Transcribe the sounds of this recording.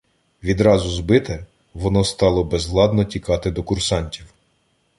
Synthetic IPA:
ʋʲid̪ɾɑzʊzbɪt̪ɛ | ʋɔnɔst̪ɑlˠɔbɛzlˠɑd̪nɔtʲikɑt̪ɪd̪ɔkʊrsɑnʲtʲiw

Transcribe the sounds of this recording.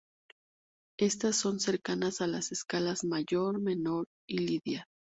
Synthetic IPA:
e̞st̪asːo̞nse̞ɾkanasalase̞skalazmaʝo̞ɾme̞no̞ɾ | iliðja

